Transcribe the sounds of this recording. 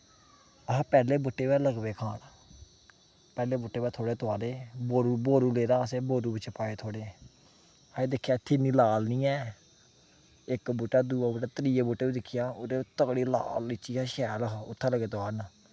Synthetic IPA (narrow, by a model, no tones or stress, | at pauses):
əɦːpɛːleːbʊʈːeːʋɛːləɡbeːkʰaːn | pɛːleːbʊʈːeːbɛːt̪ʰoːɽeːt̪oaːleːboːɾuːboːɾuːleːɾaːəseːboːɾuːbɪt͡ʃːpaːeːt̪ʰoːɽeː | əeːd̪ɪkʰːjaːɪt̪ʰːiːniːlaːlnĩːɛː | ɪkbʊʈːaːd̪uːaːbʊʈaːt̪əɾiːjeːbʊːʈːeːiːd̪ɪkʰːɪjaːʊd̪et̪əkɽiːla̰ːlɪt͡ʃːiːaːʃɛːlɦʊ̰t̪ʰːãːləɡeːt̪oaːn